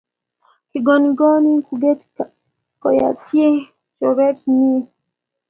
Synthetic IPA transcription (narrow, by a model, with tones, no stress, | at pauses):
ki˨ɡɔ˨ni˨ɡɔ˦ni˦ku˨ɡe˦tka | kɔ˨ja̰˨tje˦ | t͡ʃɔ˨βɛ˦tni˦